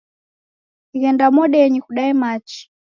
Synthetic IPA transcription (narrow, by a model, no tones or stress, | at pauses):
iɣɛndamɔɗɛjɛɲɛkuɗaɛmat͡ʃi̥